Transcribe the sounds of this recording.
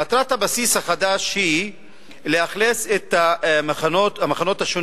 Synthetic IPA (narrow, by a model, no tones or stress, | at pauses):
at̪ɾat̪habasishaχad̪aʃhi | le̞aχleset̪amaχanotamaχano̞t̪haʃon